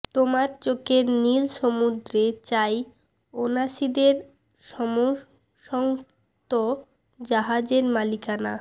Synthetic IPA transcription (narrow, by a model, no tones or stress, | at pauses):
t̪omaɾt͡ɕokeɾnilʃomud̪ɾet͡ɕaj | onaʃid̪eɾ | ʃɔmo | ʃɔŋ | t̪o | d͡ʑaɦad͡ʑeɾmalikana